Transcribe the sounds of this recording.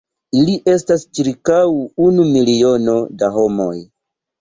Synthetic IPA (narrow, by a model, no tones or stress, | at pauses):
iliʔe̞stast͡ʃiɾkawunumilio̞no̞daɦo̞mo̞j